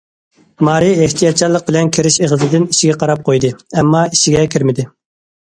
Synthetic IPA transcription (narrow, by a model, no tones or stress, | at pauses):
mɑːɾieht̪ʰijɑt̪̚t͡ʃʰɑlˠəq̚bɪlɛnkʲʰeɾɪʃeʁəzɨd̪ɪniʃɪɡʲɛqʰɑɾɑp̚qʰojd̪ɨɛmːɑiʃiɡʲɛkʲʰiɾmɪd̪ɪ